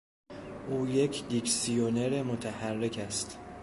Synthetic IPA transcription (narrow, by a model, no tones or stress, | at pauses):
ʔuːje̞cʰd̪iksijone̞ɾemot̪ʰæhærːecʰæst̪